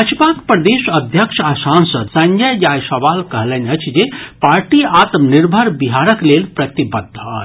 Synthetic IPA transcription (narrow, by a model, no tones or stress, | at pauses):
ət͡ʃʰpakpɾəd̪esəd̪ʱjəkʃʰasansəd̪sə̃ŋɡəjd͡ʒajsəʋalkəɦlənət͡ʃʰd͡ʒepaɾʈiat̪mniɾbʱəɾbiɦaɾəklelpɾət̪ibəd̪ʱɦɔ̰